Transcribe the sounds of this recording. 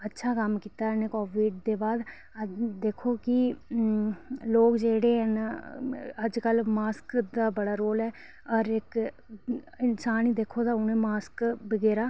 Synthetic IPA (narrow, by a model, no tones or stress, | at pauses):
ətːʃʰaːkəmkiːt̪aːəneːkoːʋiːɖ̚d̪eːbaːd̪ | d̪eːkʰoːkɪ | loːkd͡ʒeːɽeːɦən | əd͡ʒkəlmaːskd̪aːbəɽaːɾoːlɛː | ɔːɾɪk | ɪnsaːniːd̪eːkʰːoːd̪aːʊnẽːmaːskbəɡɛːɾaː